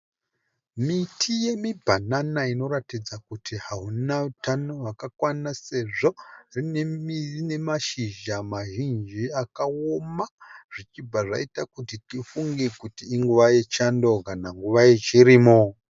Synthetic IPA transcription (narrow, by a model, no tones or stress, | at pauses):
mitʰije̞mibʱananaino̞ɾatid͡zakutʰiɦaɦunautanoʋakakwanase̞ʐo̞rinemiine̞maʃiʒamaʒind͡ʒiakaomaʐ̥it͡ʃib͡vaʐa̰itakutitifuŋɡekutiːŋɡuʋaje̞t͡ʃando̞kanaŋɡuʋaje̞t͡ʃiɾiːmo